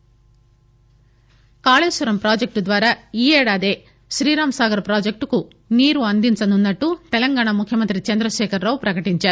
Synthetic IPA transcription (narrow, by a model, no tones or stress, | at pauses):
kaːɭeːsʋɐɾɐmpɾaːd͡ʒek̚ʈd̪ʋaːɾaːiːɛːɽaːd̪e̞ː | ʃɾiːɾaːmsaːɡɐɾɐpɾaːd͡ʒek̚ʈku | niːɾuɐnd̪int͡ʃɐnunːɐʈːut̪ɛlɐŋɡaːɳamukʰjɐmɐnt̪ɾit͡ʃɐnd̪ɾɐʃɛːkʰɐɾːɐʋupɾɐkɐʈiɲt͡ʃaːɾu